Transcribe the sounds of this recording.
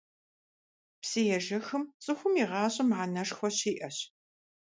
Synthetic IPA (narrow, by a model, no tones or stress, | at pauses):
psɨjɛʒɐxɨmt͡sʼɨxʷʊmiʁɑːɕʼɐmʕanɐʂxʷɔɕiːʔɐɕ